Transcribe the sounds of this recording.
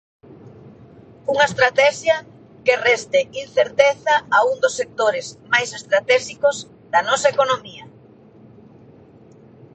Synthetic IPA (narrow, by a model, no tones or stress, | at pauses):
uŋɐest̪ɾat̪ɛʃjɐ | kerɛst̪ɪinθeɾt̪eθɐauŋd̪osːek̚t̪oɾɪzmajsest̪ɾat̪ɛʃikoz | ðɐnɔsɐekonomiɐ